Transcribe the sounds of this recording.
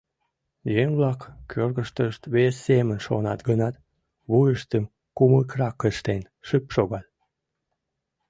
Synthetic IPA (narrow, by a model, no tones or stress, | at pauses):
jeŋβlɑkkʰørɣəʃt̪əʃt̪βesːemənʃonɑ̰t̪ɡənɑt̪ | βujəʃt̪əm | kuməkrɑkːəʃt̪en | ʃypʃoɣɑl